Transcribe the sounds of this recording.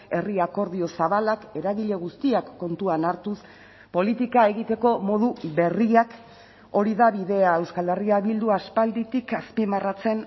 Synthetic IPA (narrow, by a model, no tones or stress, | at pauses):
e̞riako̞ɾð̞io̞saβalake̞ɾaɣiʎe̞ɣ̞ust̪iakːo̞nt̪uanaɾt̪us | po̞lit̪ikae̞ɣit̪e̞ko̞mo̞ðuβe̞riak | o̞ɾiðaβiðe̞ae̞wskald̪e̞riaβild̪uaspald̪it̪ikaspimarat͡se̞n